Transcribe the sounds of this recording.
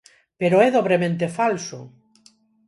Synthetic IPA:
peɾoɛðoβɾemẽnt̪efalsʊ̰

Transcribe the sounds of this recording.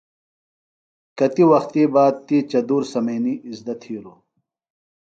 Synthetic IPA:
kɐt̪iwɐxt̪iːbaːd̪̚t̪iːt͡ɕɐd̪uːɾsɐmɐːniizd̪ɐt̪ʰiːɾu

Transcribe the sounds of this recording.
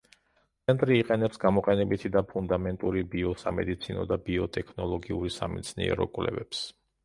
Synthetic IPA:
t̪sʰɛnt̪ʼɾiːqʼɛnɛpsɡamɔqʼɛnɛbit̪ʰid̪apʰund̪amɛnt̪ʼuɾibiɔsa̰mɛd̪it̪sʰinɔ̰d̪abiɔt̪ʼɛkʰnɔlˠɔɡiuɾisamḭt̪sʰnḭɛ̰ɾɔ̰kʼwlɛ̰vɛps

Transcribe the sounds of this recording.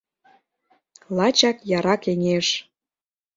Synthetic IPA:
lˠɑt͡ɕɑkjɑɾɑkeŋeʃ

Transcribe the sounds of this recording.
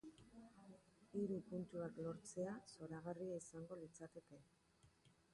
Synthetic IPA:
iɾupunt̪uaklo̞ɾt͡se̞aso̞ɾaɣ̞ariaisaŋɡo̞lit͡sat̪e̞ke̞

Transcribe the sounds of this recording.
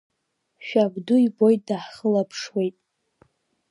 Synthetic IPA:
ʃᶣabduibo̞jtʼdaħχəlapʰʂwe̞jtʼ

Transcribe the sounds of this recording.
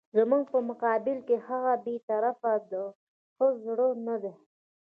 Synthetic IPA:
zəmuŋɡ̚pəmʊqɑbɪlkehaɣabet̪aɾafad̪ə | xəzɽənad̪e

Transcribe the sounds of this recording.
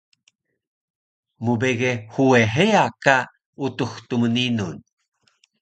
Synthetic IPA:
mubeɡehueɦejaka | utuxtuməninun

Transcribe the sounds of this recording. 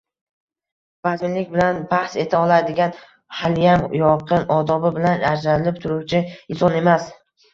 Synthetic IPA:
bazɪnlɪkʲbɪlanbahse̞t̪ʰaɒlˠaɾd̪ɪɡʲan | haljaŋjɒqʰɨnɒd̪ɒbɪbɪlanaɾd͡ʒanɪlɪpt̪ʰʊɾʊwt͡ʃʰɪɪnsɒne̞mas

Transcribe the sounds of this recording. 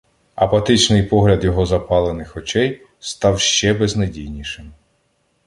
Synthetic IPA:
ɐpɐt̪ɪt͡ʃnɪjpɔɦlʲɐd̪jɔɦɔzɐpɑlˠenɪxɔt͡ʃɛj | st̪ɑwʃt͡ʃɛbeznɐjdʲijnʲiʃɪm

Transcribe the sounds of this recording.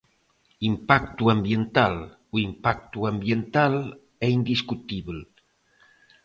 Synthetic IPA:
impakt̪uambjent̪al | uimpak̚t̪uambjent̪al | ɛind̪iskut̪iβl

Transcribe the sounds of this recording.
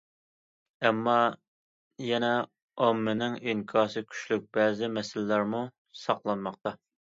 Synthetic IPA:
ɛmːɑ | jɛnɛ | ɑmːɪnɪŋiŋkʰɑːsɨkʲʰy̥ʃlyk̚ʲbɛːzɪmɛsɪlɪlæɾmu | sɑqlˠɑnmɑq̚t̪ɑ

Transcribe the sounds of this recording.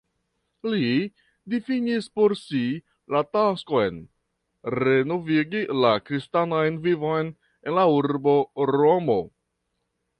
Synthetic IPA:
li | difinispo̞ɾsi | latasko̞jn | ɾe̞no̞viɡilakɾistanajnvivo̞jn | e̞nlauɾbo̞ɾo̞mo̞

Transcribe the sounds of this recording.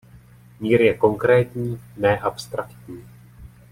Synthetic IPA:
miːɾjɛko̞ŋkɾɛːt̪ɲiːnɛʔapst̪ɾakt̪ɲiː

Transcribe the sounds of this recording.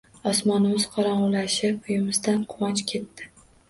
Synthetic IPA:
ɒsmɒnɪz̥qʰɒɾɒɴʊlaʃɪʊjɪmɪzd̪anqʰʊwɒnt͡ʃkʲʰe̞t̪ʰːɪ̥

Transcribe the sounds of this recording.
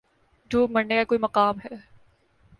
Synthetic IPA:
d͡ʒuːbmɐɾnekakoːimɐqaːmɦɛː

